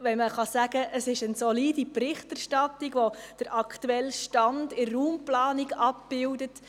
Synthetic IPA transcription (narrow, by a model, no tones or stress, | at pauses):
ʋɛnməχɑsæɡəʔəsɪʃənsɔliːdiprɪχtærʃtɑtːiɡʋod̥əɾʔɑktuɛlːʃtɑndɪrːuːmplɑːniɡɑp̚b̥ɪwdət